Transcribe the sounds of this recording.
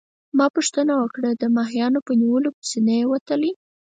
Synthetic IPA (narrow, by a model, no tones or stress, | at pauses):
mɑpuʂt̪ənawəkɽəd̪əmɑɦjɑnopəniwəlopsinajewat̪əli